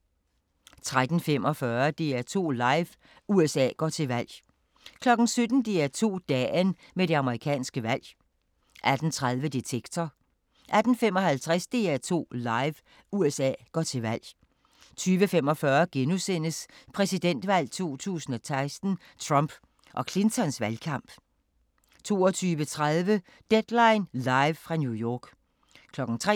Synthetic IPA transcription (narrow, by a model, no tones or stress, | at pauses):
t͡sʰʁad̥n̩fem̰ɒ̽fɶɐd̥e̝æt͡sʰo̝̰ːlɑ̈ɪʋ | uesɛ̰ːɡ̥ɒ̰t͡sʰe̝lʋæl̰ | kʰlɒ̽ɡ̥n̩sød̥n̩d̥e̝æt͡sʰo̝̰ːd̥ɛːn | meɾe̝ɑ̈məʁikʰɛ̰ːnsɡ̥əʋæl̰ | ʔæd̥n̩t͡sʰʁaðˠʋəd̥et͡sʰeɡ̥t͡sʰɒ | ʔæd̥n̩fem̰ɒ̽hælt͡sʰʁasd̥e̝ːæt͡sʰo̝̰ːlɑ̈ɪʋ | uesɛ̰ːɡ̥ɒ̰t͡sʰe̝ʋæl̰ | t͡sʰyːʋəfemɒ̽fɶɐɡ̥enusen̰əspʰʁɛsid̥en̰d̥ʋæl̰t͡sʰuo̝̰ːt͡sʰṵːsn̩ɒ̽sɑ̈ɪsd̥n̩ | t͡sʰʁɑmb̥ | ʔɒ̽kʰle̝nt͡sʰɒ̽nsʋælkʰɑ̈m̰b̥ | t͡sʰo̝̰ːɒt͡sʰyːʋət͡sʰʁað̞ˠʋə | d̥ed̥lɑ̈ɪnlɑ̈ɪʋfʁɑ̈njujɒːɡ̥ | kʰlɒ̽ɡ̥n̩t͡sʰʁɛ